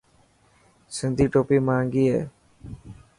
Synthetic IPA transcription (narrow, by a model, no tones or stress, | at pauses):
sɪnd̪ʱiːʈoːpiːmãːŋɡiːɦḛː